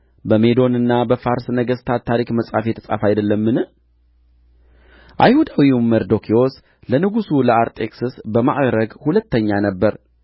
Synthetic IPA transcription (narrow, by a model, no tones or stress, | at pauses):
bəme̞d̪o̞nɨnːabəfaɾsnəɡəst̪ʰat̪ʰːaɾikməsʼa̰fjet̪ʰə̥sʼa̰fajd̪əlːəmːɨnɨ | ʔa̰jhud̪awiməɾd̪o̞kʰio̞s | lənɨɡusuləaɾt̪ʼe̞ksɨsbəma̰ʔɡɾəɡhulət̪ːəɲːanəbːəɾ